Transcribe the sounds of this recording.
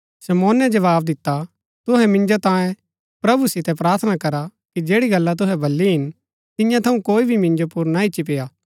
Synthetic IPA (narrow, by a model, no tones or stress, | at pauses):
sɐmoːnɛd͡ʒɐʋaːbd̪ɪt̪ːa | t̪ʊɦɛmɪ̃nd͡ʒot̪ãːẽ | pɾɐbusɪt̪ɛpɾaːɾt̪ʰənakɐɾa | kid͡ʒeːɽiɡɐlːat̪̬ʊɦɛbʱɐlːiɦɪn | t̪ɪ̃jãt̪ʰɐũkoːibʱimɪ̃nd͡ʒopʊɾnaɪtːʃip̬eːaː